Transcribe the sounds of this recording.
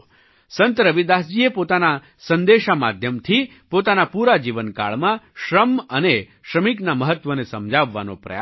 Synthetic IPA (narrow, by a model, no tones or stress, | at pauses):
sənt̪ɾəʋid̪asd͡ʒiepot̪ana | sənd̪eʃama̰d̪ʱjəmt̪ʰi | pot̪anapuɾad͡ʒiʋənka̰ɭmãʃɾəməne | ʃɾəmiknaməɦət̪ʋənesəmd͡ʒaʋːa̰no̰pɾə̰j